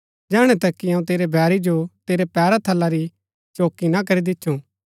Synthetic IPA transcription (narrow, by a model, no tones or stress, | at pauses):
d͡ʒɛːɽ̃ɛt̪ɐkːiɐũt̪eːɾebʱɛːɾid͡ʒot̪eːɾepɛːɾat̪ʰɐlːaɾi | t͡ʃoːkːinak̬ɐɾid̪ɪt̪ːʃʰũ